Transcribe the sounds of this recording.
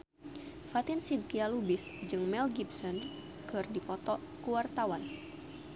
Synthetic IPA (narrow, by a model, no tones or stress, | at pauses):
fat̪insid̪̚kialubɪsd͡ʒɨŋmɛlɡibsɔn | kɨrdipɔt̪ɔ | kuwart̪awan